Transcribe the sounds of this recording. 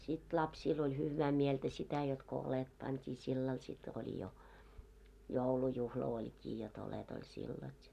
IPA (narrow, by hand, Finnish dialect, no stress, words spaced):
sit lɑpsiːl olʲ hyʋˑæː mieltæ sitæ jot ko olet pɑntʲiː silːɑl sit olʲi jo joulujuhlɑ olʲkiː jot olet olʲ silːɑl jɑ